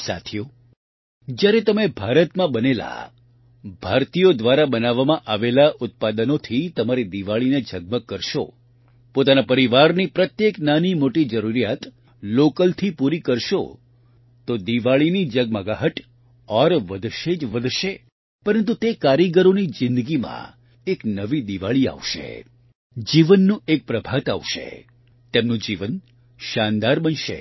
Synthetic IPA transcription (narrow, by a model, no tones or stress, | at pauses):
sa̰t̪ʰijo | d͡ʒjaɾet̪əmebʱaɾət̪mãbənela̰ | bʱaɾt̪ijod̪ʋaɾabənaʋːamãʔaʋelaʔʊt̪̚pad̪ənot̪ʰit̪əmaɾid̪iʋaɭined͡ʒəɡ̚məkəɾʃo̰ | pot̪anapəɾiʋaɾnipɾət̪jeknanimoʈid͡ʒəɾuɾijat̪ | lokəlt̪ʰipuɾikəɾʃo̰ | t̪od̪iʋaɭinid͡ʒəɡməɡaɦəʈ | ɔɾʋəd̪ʱʃed͡ʒʋəd̪ʱʃe | pəɾənt̪̬ut̪ekaɾiɡəɾonid͡ʒɪ̃nd̪əɡimã̰ | eknəʋid̪iʋaɭia̰ʋʃḛ | d͡ʒiʋənːũek̚pɾəbʱat̪a̰ʋʃḛ | t̪emnũd͡ʒiʋən | ʃand̪aɾbənʃḛ